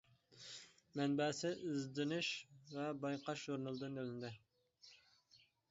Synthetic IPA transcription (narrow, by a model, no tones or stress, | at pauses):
mɛnbɛːsɪʔizd̪ɪnyʃvɛbɑjqɑʃʒuɾnɨlˠɨd̪ɨnølnd̪ɪ